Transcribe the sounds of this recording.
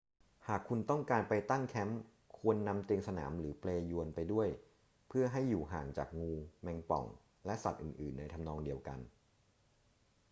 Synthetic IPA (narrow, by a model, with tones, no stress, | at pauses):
haː˨˩kʰːu˧nt̪ɔ˥˩ŋkaː˧npa˧jt̪a˥˩ŋkʰɛ˦˥m | kʰu˧ənːa˧mt̪i˧ŋsa˧naː˩˦mɾɯː˩˦pleː˧ju˧ənpa˧jdu˥˩əj | pʰɯ˥˩ɐɦa˥˩jːuː˨˩ɦaː˨˩ŋt͡ɕaː˨˩k̚ŋuː˧mɛ˧ŋpɔ̰˨˩ŋ | lɛ˦˥ʔsa˨˩t̪̚ʔɯ̰ː˨˩nʔɯː˨˩nːa˧jt̪ʰa˧mnɔː˧ŋdi˧əwka̰˧n